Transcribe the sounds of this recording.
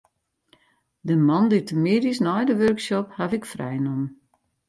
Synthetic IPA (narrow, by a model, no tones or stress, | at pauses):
dəmɔnditəmeːdisnɔjdəʋørksɔphavɪkfrɛ̰jnɔm